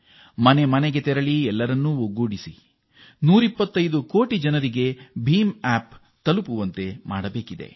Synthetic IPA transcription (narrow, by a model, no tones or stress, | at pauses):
mɐne̞mɐneɡe̞t̪ɛɾɐɭiɛlːɐɾɐnːuoɡuːɽisi | nuːɾipːɐt̪ːɐjd̪uko̞ːʈid͡ʒɐnɐɾiɡe̞bʱiːmaːp | t̪ɐlupuʋɐnt̪e̞ma̰ːɽɐbe̞ːkid̪e̞̰